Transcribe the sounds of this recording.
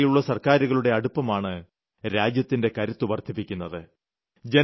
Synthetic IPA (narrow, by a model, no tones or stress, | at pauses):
jiuɭːɐsɐrkaːɾuɣɐɭuɽe̞ɐɽupːɐmaːɳɨ | ɾaːd͡ʑjɐt̪ːinde̞kɐɾut̪ːuʋɐrt̪ʰːipːikʲːunːɐðɨ | d͡ʑe̞